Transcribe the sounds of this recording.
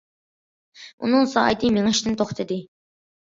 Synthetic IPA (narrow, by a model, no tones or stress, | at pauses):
ṵnɨŋsɑ̰ɑ̰jt̪ʰɨmeŋɪʃt̪ɪnt̪ʰoχt̪ʰed̪ɪ